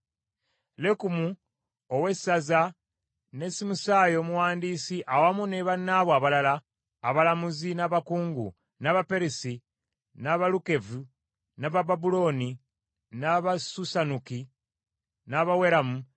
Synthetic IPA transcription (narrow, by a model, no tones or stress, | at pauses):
lekumu | owe̞saza | ne̞simusaːjo̞ːmuwaːndiːsiʔawamuneβanːaβoaβalalaː | βalamuzinaβakuːŋɡṵ | naβapeɾesi | naβaluke̞vu | naβababulo̞ni | naβasusanuki | naβawe̞ɾamu